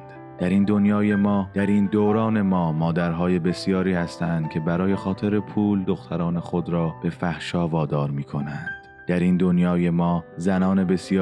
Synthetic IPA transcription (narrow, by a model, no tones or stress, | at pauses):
d̪̥æɾind̪o̞njɒːje̞mɒːd̪̥æɾiːnd̪oːɾɒːne̞mɒːmɒːd̪æɾɦɒːje̞be̞sjɒːɾiːhæst̪ænd̪̥cʰe̞bæɾɒːje̞xɒːt̪ʰe̞ɾe̞pʰuːld̪oxt̪ʰæɾɒːne̞xo̞d̪ɾɒːb̥e̞fæhʃɒːvɒːd̪ɒːɾmiːkʰo̞nænd̪̥ | d̪̥æɾind̪o̞njɒːje̞mɒːzænɒːne̞be̞sjː